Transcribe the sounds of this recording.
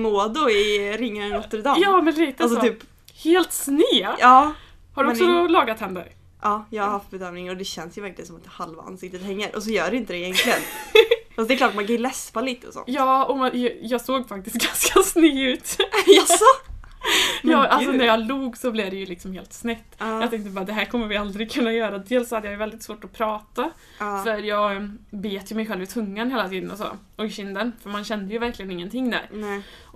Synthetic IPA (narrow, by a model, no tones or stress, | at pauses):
moːd̪ʊɪɾɪŋːaənoːt̪ːəɾɪd̪ɑːjɑːmɛnliːt̪əalsɔt̪ːʰyːp | heːlt̪snyːʔɑː | haɖɵɔnk̪sɔɔlɑːɡat̪hɛnd̪ə̰ɾ | ʔɑːjɑːɡhahaft̪̚bɛd̪œːmnɪŋɔd̪ɛɕɛnsjəvæɾklɪənsɔmat̪halvaa̰nsɪk̚t̪ːət̪hɛŋːəɾʔɔsɔjœːɖɛɪnt̪əd̪ɛjɛŋklɪɡənfasd̪ɛklɑːʈ̚mankʰanjlɛspaliːt̪əɔsɔ̰njɑːɔmajɑːɡsoːɡfak̚t̪ɪst̪̚ɡanskasnyːʉ̟ːt̪ | jɑːʔalsɔnæɾjɑluːɡsɔblɪvd̪ɛjɵlɪksɔmheːlt̪snɛt̪ːjɑːt̪ɛŋkt̪əbɑːɾad̪ɛɦæːɾkʰɔmːəɾvɪald̪ɾɪɡ̚kʰɵnːajœːɾad̪eːlsːɔhad̪ːjajɵvɛld̪ɪt̪svoːʈɔpʰɾɑːt̪a | fœɾjɑːɡbeːt̪jɵmɛjɧɛlvɪt̪ʰɵŋːanheːlat̪ʰiːd̪ənɔso̰ | ɔɕɪnd̪ənfœɾmanɕɛnd̪əjɵvæɾklɪɡənɪŋːənt̪ʰɪŋːd̪æ̰ɾ